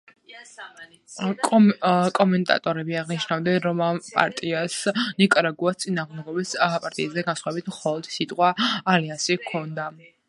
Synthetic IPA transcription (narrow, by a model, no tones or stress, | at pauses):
kʼɔmɛnt̪ʼa̰t̪ʼɔɾɛbiaʁniʃnavd̪ɛnɾɔmapʼa̰ɾt̪ʼiasnikʼɾaɡuast̪sʼinaːʁmd̪ɛɡɔbispʼaɾt̪ʼḭazɛɡasχwɛbit̪ʰmχɔlˠɔd̪̥sit̪ʼqʼwaːliansikʰɔnd̪a